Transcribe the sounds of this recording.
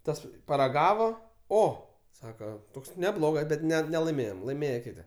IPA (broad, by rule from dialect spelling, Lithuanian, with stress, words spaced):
ˈtɐs pɐrɐˈɡɑːʋoː ˈoː ˈsɑːkɐ ˈtoːks nʲɛˈblˠoːɡɐs ˈbʲɛt ˈnʲɛ nʲɛlˠɐɪˈmʲeːjoːm lˠɐɪˈmʲeːjɛ ˈkʲɪtʲɪ